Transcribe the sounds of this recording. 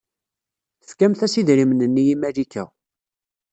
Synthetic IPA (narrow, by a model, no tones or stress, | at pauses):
fkæmθæsiðɾimnənːijimælikæ̰